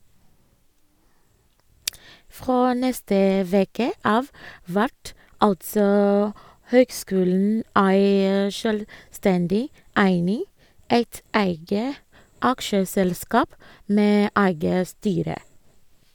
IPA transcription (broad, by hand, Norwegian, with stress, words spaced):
ˈfɾoː ˈnɛstə ˈʋeːkə ˈɑːʋ ˈʋæʈ ˈɑltsɔ ˈhøːɡˌskʉːln̩ ˈæɪ ʃœlˈstɛndɪ ˈæɪnɪ ˈæɪt ˈæɪɡə ˈɑkʃəsɛlˌskɑːp ˈmeː ˈæɪɡə ˈstyːɾə